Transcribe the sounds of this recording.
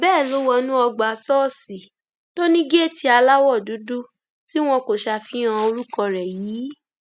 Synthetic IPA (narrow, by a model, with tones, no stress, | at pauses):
bɛː˦˨lo˨˦wɔ˧nũ˦ɔ˧ɡ͡ba˨sɔː˦˨si˨ | to˦nĩ˦ɡe˦˨ti˧˦a˧la˦wɔ˦˨du˨˦du˦ | si˦w̃ɔ̃˧ko˨ʃa˧fĩ˨˦ã˧o˧ɾu˦kɔ˧ɾɛ˨jiː˨˦